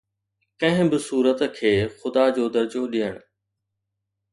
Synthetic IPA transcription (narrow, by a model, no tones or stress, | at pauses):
kɐ̃ɦɪ̃bɪsuːɾət̪kʰeːxʊd̪ad͡ʑoːd̪ɐɾd͡ʑoɗiɦəɽ̃ʊ